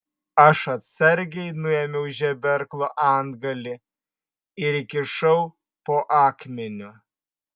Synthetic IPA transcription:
ɐʃɐt̪ʲsʲɐɾʲɡʲɛɪnʊɛmʲɛʊʒʲɛbʲɛɾklˠoʔɑˑnd̪ɡɐlʲɪ | ɪɾɪkʲɪʃɐʊ | poːʔɑːkmʲɛnʲʊ

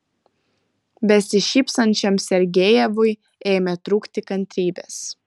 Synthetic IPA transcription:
bʲɛsʲɪʃʲiːpsɐnʲt͡ʃʲɛmsʲɛɾʲɡʲejɛʋʊɪ | eːmʲɛt̪ɾuːkt̪ʲɪkɐnʲt̪ʲɾʲiːbʲɛs

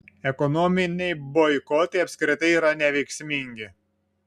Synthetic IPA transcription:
ɛkɔnɔmʲɪnʲɛɪbɔɪkɔt̪ɐɪɐpʲsʲkɾʲɪt̪ɐɪiːɾɐnʲɛʋʲɛɪksʲmʲɪŋʲɡʲɪ

